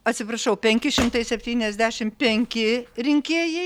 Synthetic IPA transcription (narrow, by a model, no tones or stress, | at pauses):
ɐt̪ʲsʲɪpɾɐʃɐʊpʲɛŋʲkʲɪʃʲɪmt̪ɐɪsʲɛpʲt̪ʲiːnʲɛzʲd̪ʲæːʃʲɪmpʲɛŋʲkʲɪɾʲɪŋʲkʲeːjɛɪ